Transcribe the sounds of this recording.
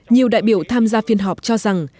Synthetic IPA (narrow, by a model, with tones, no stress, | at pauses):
ɲi˨˩əwɗa̰ː˧˨jɓi˧˩əwt̪ʰaː˧mzaː˧fi˧ənɦɔ˨˩k͡p̚t͡ɕɔ˧za˨˩ŋ